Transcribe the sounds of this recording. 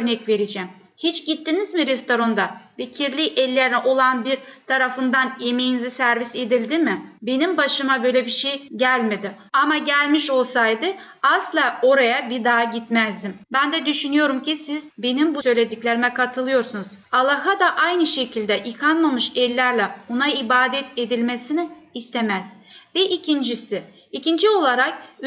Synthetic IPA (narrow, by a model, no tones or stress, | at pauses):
øɾnɛcve̞ɾid͡ʒɛm | hit͡ʃɟit̪ːinizmiɾɛst̪o̞ɾond̪aficʰiɾlʲiʔɛlʲːeɾinɛʔo̞lˠanbiɾt̪ʰaɾafɯnd̪anemejinizisæɾvise̞d̪ilʲd̪imɪbe̞nimbaʃɯmabø̞jlʲebiʃejɟælʲmed̪ɪ | amaɟælʲmiʃo̞lˠsajd̪ɯaslˠaːo̞ɾajabid̪aːɟit̪mæzd̪imbænd̪ɛd̪yʃynyjo̞ɾumcisizbe̞nimbusø̞jlʲe̞d̪iclʲeɾimɛkʰat̪ʰɯlˠɯjo̞ɾsunuz̥alˠːaɦad̪aʔajnɯʃe̞cʰilʲd̪ɛʔikʰanmamɯʃɛlʲːæɾlʲɛonaibaːd̪ɛt̪ʰe̞d̪ilʲme̞sinɪːst̪ʰe̞mæz̥vɛʔicʰind͡ʒisi | icind͡ʒio̞lˠaɾak̚